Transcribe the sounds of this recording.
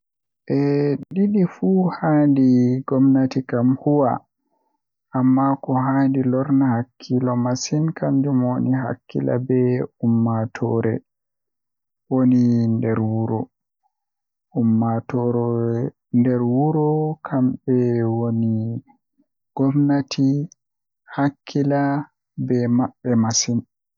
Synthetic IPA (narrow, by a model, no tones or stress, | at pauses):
ʔɛɗiɗifuhandiɡɔmnatikamhuwa̰ | ʔamːakɔɦandilɔɾnahakʰːilɔmasinkamd͡ʒumoniɦa̰kʰːḭla̰bɛumːatʰɔɾɛ | wonindɛɾwuɾɔ | umːatɔɾɔ | ndɛɾwuɾɔkʰambɛwoni | ɡ̥ɔvnatʰi | hakʰːila | bɛmaɓːɛmasin